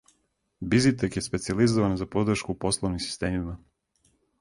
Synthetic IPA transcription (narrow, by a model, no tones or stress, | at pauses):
bizit̪̬ekje̞spe̞t̪sializoʋanzapo̞d̪r̩ʃkupo̞slˠoʋnimsi̥st̪e̞ːmima